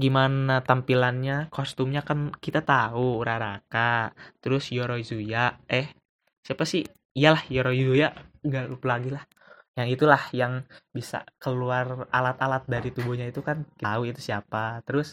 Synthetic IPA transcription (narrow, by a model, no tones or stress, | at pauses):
ɡimanat̪ampilanɲakost̪umɲakankit̪at̪auɾaɾakat̪əɾʊsjoɾoizujaɛh | siapasɪ | ijalahjoɾoizujaʔŋɡaʔlupəlaɡilah | jaŋit̪ulahjaŋbisa̰kəluaralat̪alat̪̚daɾit̪ubuhɲait̪ukankauit̪usiapat̪əɾʊs